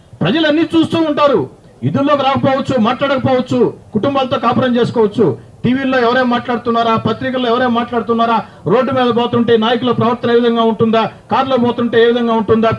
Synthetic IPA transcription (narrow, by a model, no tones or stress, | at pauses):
pɾɐd͡ʒɐlɐnːit͡ʃuːst̪uːuɳʈaːɾu | jid̪ullo̞ːkɾaːkɐpɔːʋɐt͡ʃːumaːʈlaːɽɐkɐpɔːʋɐt͡ʃːukuʈumbaːlɐt̪o̞ːkaːpɐɽɐmt͡ʃeːs̬u̥kɔːʋɐt͡ʃːu | ʈiːʋiːlo̞ːɛʋɐɾeːmaːʈlaːɽut̪unːaːɾaːpɐt̪ɾikɐlːoːɛʋɐɾeːmaːʈlaːɽut̪unːaːɾaː | ɾo̞ːɖːumɛːd̪ɐbɔːt̪uɳʈeːnaːjɐk̬ulopɾɐʋɐɾt̪ɐneːʋid̪ʱɐŋɡaːuɳʈund̪aːkaːɾlobɔːt̪uɳʈe̞ːeːʋid̪ʱɐŋɡaːuɳʈund̪aː